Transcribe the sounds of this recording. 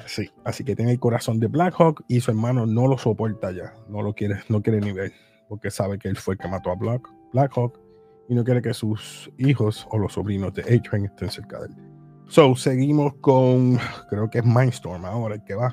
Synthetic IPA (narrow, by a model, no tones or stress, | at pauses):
siasiket̪jenelko̞ɾaso̞nd̪e̞blakhokisue̞ɾmãno̞no̞lo̞so̞po̞ɾt̪aʝano̞lo̞kjeɾeno̞kjeɾeniβe̞l | po̞ɾke̞saβe̞keelfwe̞lke̞mat̪o̞aβak | b̥lakhok | inok̬je̞ɾeke̞susiho̞so̞lo̞sːo̞βɾinozðe̞ʔejt͡ʃeŋest̪e̞nseɾka̰ðe̞̰l | sose̞ɣimo̞skoŋkɾe̞okeeɦmãjnst̪o̞ɾmao̞ɾaelke̞βa